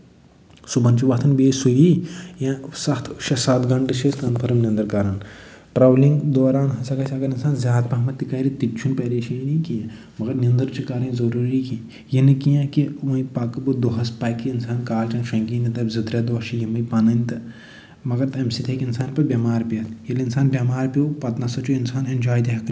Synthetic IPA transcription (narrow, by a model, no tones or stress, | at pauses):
subɐnt͡ʃiʋɐt̪ʰɐnbeːsujijãsɐt̪ʰʃɐsɐt̪ɡɐɳʈɨʃeskɐːnpʰɐɾɐmnʲɐnd̪ɐɾkaɾaːn | ʈɾawlĩŋɡd̪oːɾaːnɦɐsɐkɐt͡ʃʰʲɐɡɐɾɪnsaːnzjaːd̪̚pɐɦɐmɐt̪ːikɐːɾit̪it͡ʃʰunpɐɾeːʃinikijã | mɐɡɐɾnʲiɐnd̪ɐɾt͡ʃʰikaːɾɐ̃nzɐɾuːɾiki | jinɨkijãkiʋɐ̃ĩpakɨbɨd̪oɦɐspaːkːiɪnsaːnkaːlt͡ʃɐ̃nʃɐ̃ŋkiːnit̪ɐbzɨt̪ɾed̪oɐʃijimɐjpɐnɐnʲt̪ɐ | mɐɡɐɾt̪ɐmsit̪ʰekɪnsaːnpɐbʲɐmaːɾpiɐt̪ʰjɐliinsaːnbjɐmaːɾpijopɐt̪nɐsɐt͡ʃuinsaːnɐnʲd͡ʒaːjd̪iɦɐk